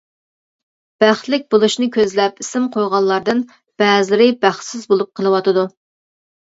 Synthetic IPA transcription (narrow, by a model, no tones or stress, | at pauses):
b̥æχt̪lɪk̚ʲbolˠuʃnɨkʲøzlɛpisɪmqʰojʁɑnlˠɑɾd̪ɨn | b̥ɛːzlɪɾɪbæχsɪzbolˠup̚qʰəlˠɨwɑt̪ɨd̪u